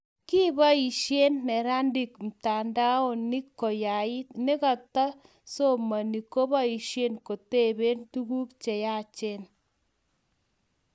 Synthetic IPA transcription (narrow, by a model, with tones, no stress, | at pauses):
ki˦ba˦i˨ʃje˦nːɛ˨ɾa˦ndi˨km̩˨ta˨nda˦o˨ni˦kːo˨ja˨ɪ˦ne˦ka˨ta˦ | so˦ma˨ni˨ko˦ba˦i˨ʃje˦nko˨te˦˨be˦ntu˦ku˦pt͡ʃe˨ja˦˨t͡ʃe˦n